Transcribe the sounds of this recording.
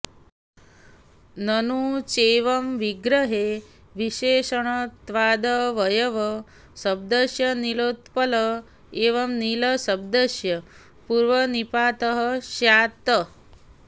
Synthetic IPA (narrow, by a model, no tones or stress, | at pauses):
nɐnut͡ʃeːʋɐmʋiɡɾɐɦe | ʋiʃeːʃɐɳ̃ɐt̪ʋaːd̪əʋɐjɐʋɐ | sɐb̚d̪əʃjɐniloːt̪pɐlə | eːʋɐmniləsɐb̚d̪ɐʃjɐ | puɾʋɐnipaːt̪əɦəʃjaːt̪ə